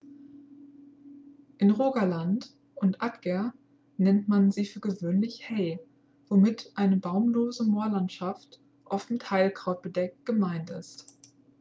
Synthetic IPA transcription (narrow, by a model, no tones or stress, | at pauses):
ʔɪnʁoːɡalant | ʔʊntʔatɡ̥ɛɐ | nɛntmanziːfyːɐɡəvøːnlɪçhɛɪ | v̥omɪtʔaɪnəbaʊmloːzəmoːɐlantʃaft | ʔɔfmɪthaɪlkʁ̥aʊt̚b̥ədɛk̚t̚ɡ̥əmaɪntɪst